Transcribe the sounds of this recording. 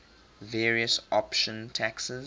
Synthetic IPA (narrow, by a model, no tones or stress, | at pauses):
vɛːɹiəsɔpʃə̃ntʰæksəz